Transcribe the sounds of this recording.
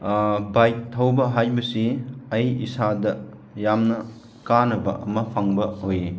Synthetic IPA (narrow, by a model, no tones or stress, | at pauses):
bajk̚tʰɐwbɐɦajbɐsiɐjisadɐ | jamnɐ | kanɐbɐ̰ʔɐmɐpʰaŋbɐhoji